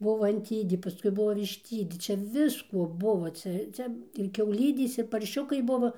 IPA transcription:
ˈbʊʋoː ɐnʲˈtʲiːdʲeː pɐˈskʊɪ ˈbʊʋoː ʋʲɪʃʲˈtʲiːdʲeː ˈt͡ʃʲɛ ˈʋʲɪskoː ˈbʊʋoː ˈt͡sʲɛ ˈt͡sʲɛ ɪr kʲɛʊˈlʲiːdʲeːs ɪr pɐrʲˈʃʲʊkɐɪ ˈbʊʋoː

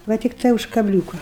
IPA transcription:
ʋɐ tʲɪkˈtɐɪ ʊʃ kɐˈbʲlʲuːkɐ

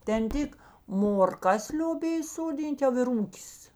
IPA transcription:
tʲɛn ˈtʲɪk moːrˈkɐs lʲoːˈbʲeːj soːˈdʲiːnʲtʲ jɛʊ ɪr ˈuːkʲɪs

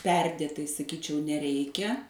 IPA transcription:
ˈpʲɛrʲdʲeːtɐɪ sɐˈkʲiːt͡ʃʲɛʊ nʲɛˈrʲɛɪkʲɛ

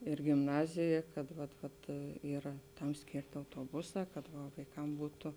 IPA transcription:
ɪr ɡʲɪmˈnɑːzʲeːjɛ kɐt ʋɐt ˈʋɐt iːˈrɐ ˈtɐm ˈsʲkʲeːrʲtʲɪ ɐʊtoːˈbʊˌsɑː kɐt ʋɐ ʋɐɪˈkɐm ˈbuːtʊ

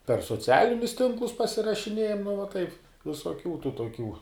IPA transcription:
pʲɛr soːˈt͡sʲæːlʲɪnʲʊs ˈtʲɪŋklˠʊs pɐsʲɪrɐʃʲɪˈnʲeːjɛm nʊ ʋɐ tɐɪp ʋʲɪsoːˈkʲuː tuː toːˈkʲuː

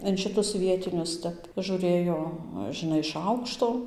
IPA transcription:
ɪn ˈʃʲɪtʊs ˈʋʲiɛtʲɪnʲʊs ˈtʲɛp ʒuːˈrɘjoː ʒʲɪˈnɐɪ ɪʃ ˈɐʊkʃtoː

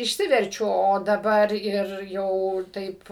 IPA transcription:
ɪʃʲˈsʲɪʋʲɛrʲt͡ʃʲʊ oː dɐˈbɐr ɪr ˈjɛʊ ˈtɐɪp

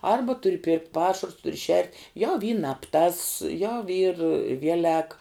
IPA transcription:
ˈɐrbɐ ˈtʊrʲɪ pʲɪrktʲ ˈpɑːʃɐrʊs ˈtʊrʲɪ ʃʲɛrʲtʲ ˈjɛʊ ˈiː nɐp ˈtɐs ˈjɛʊ ˈiːr ˈʋʲiɛlʲɛk

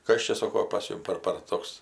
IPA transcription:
ˈkɐs t͡ʃʲɛ ˈsoːkoː pɐs ˈjʊm pɐr pɐr ˈtoːks

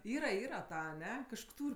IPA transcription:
ˈiːrɐ ˈiːrɐ ˈtɐ ɐˈnʲɛ kɐʃˈkoː ˈtuːrʲ

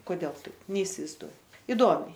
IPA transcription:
koːˈdʲɛlˠ ˈtɐɪp nʲɛɪsʲɪʋɐɪzˈduɔj ɪˈdoːmʲɛɪ

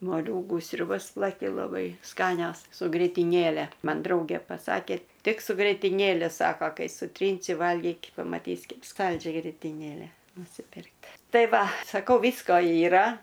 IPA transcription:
moːˈlʲuːɡuː sʲrʲʊˈbɐs plˠɐˈkʲɪ lˠɐˈbɐɪ ˈskɑːnʲoːs sʊ ɡrʲeːtʲɪˈnʲeːlʲɛ ˈmɐn ˈdrɐʊɡʲeː pɐˈsɑːkʲeː ˈtʲɪk sʊ ɡrʲeːtʲɪˈnʲeːlʲɛ ˈsɑːkoː ˈkɐɪ sʊˈtʲrʲiːnʲsʲɪ ˈʋɐlʲɡʲiːkʲ pɐmɐˈtʲiːsʲ ˈkʲɛp ˈskɐlʲd͡ʒʲɛ ɡrʲeːtʲɪˈnʲeːlʲɛ nʊsʲɪˈpʲɪrktʲ ˈtɐɪ ˈʋɐ sɐˈkɐʊ ˈʋʲiːskoː iːˈrɐ

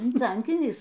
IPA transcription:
ʃʲʋʲɛnʲˈt͡sʲɛŋʲkʲiːnʲɪs

